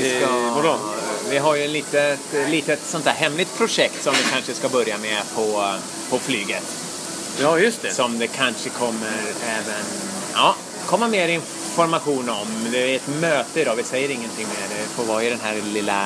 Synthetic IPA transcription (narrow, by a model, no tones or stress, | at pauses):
ɪ | vɪɦaɾjɵɛt̪liːt̪ət̪liːt̪ət̪sɔnt̪ʰæːɾɦɛmːlɪt̪̚pʰɾʊʂɛkt̪sɔmd̪ɪkʰanʂəskabœɾjamɛpʰɔ | pʰɔflyːɡət̪ | jɑːjɵst̪ɛsɔmd̪ɛkʰanʂəkʰɔmːəɾɛːvən | ɑː | kʰɔmːameːɾɪn | fɔɾmaɧuːnɔmd̪ɛɛt̪møːt̪əɪd̪ɑːvɪsɛjːəɾɪŋːənt̪ʰɪŋːmeːɾɛɪfoːɾvɑːɪd̪ɛnɦæːɾlɪlːa̰